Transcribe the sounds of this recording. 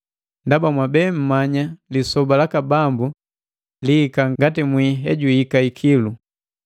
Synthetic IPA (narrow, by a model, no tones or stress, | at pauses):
ndabamwabɛːm̩maɲalisɔbalakabambu | liːkaŋŋɡatimwiɦɛɟuhikaikʰilu